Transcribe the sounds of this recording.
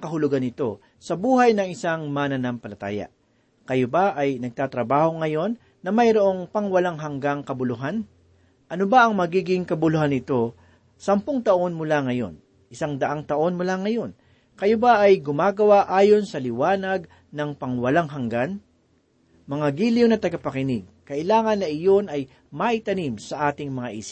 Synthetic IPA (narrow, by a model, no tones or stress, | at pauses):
ŋkɐɦʊlʊɡanɪt̪o̞ | sɐbuːhɐjnɐŋɪsaŋmɐnɐnampɐlɐt̪a̰ːjɐ̰ | kɐjobaʔɐjnɐɡ̚t̪aːt̪ɾɐbaːho̞ŋɐjo̞nːɐmɐjɾoʔo̞ŋpɐŋwɐlaŋɦɐŋɡaŋkɐbʊlʊɦan | ʔɐnobaʔɐŋmɐɡiːɡɪŋkɐbʊlʊhanɪt̪o̞ | sɐmpoŋt̪ɐʔo̞nmʊlaŋɐjo̞̰n | ʔɪsaŋd̪ɐʔaŋt̪ɐʔo̞nmʊlaŋɐjo̞n | kɐjobaʔɐjɡʊmaːɡɐwaʔaːjo̞nsɐlɪwaːnɐɡ̚ | nɐŋpɐŋwɐlaŋɦɐŋɡan | mɐŋaɡiːlɪjonɐt̪ɐɡɐpɐkɪnɪɡ̚kɐʔɪlaːŋɐnːɐʔɪjo̞nɐj | maʔɪt̪ɐnimsɐʔaːt̪ɪŋmɐŋaʔiːsɪ̥